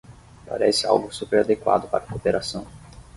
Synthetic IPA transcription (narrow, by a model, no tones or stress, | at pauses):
pa̰ɾɛsɪa̰wɡʊsupeɾad̪ekwa̰d̪ʊpa̰ɾɐkopeɾasɐ̃w̃